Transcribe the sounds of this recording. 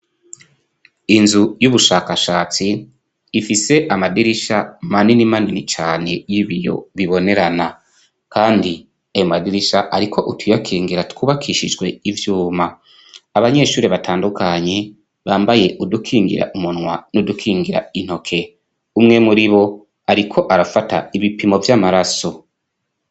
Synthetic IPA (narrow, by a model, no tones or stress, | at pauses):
inzujuβuʃaːkaʃaːt͡siː | fise̞ʔamadiɾiʃamaninimaninit͡ʃaːne̞̰jiβijo̞̰βiβo̞ne̞ɾana | kaːndi | ejomadiɾiʃaʔaɾikʰo̞ʔutʰwijakʰiːŋɡiɾatkuβakʰiːʃiʒɡwe̞ivjuːmaː | βaɲe̞ʃuːɾe̞βataːndukaɲe̞ | βaːmbaje̞ʔudukʰiːŋɡḭɾa̰ʔumunwanudukʰiːŋɡiɾa̰in̥ho̞kʰe̞ | umŋe̞muɾiβo̞ | aɾikʰo̞ʔaɾafata̰iβipimo̞vjaːmaɾaso̞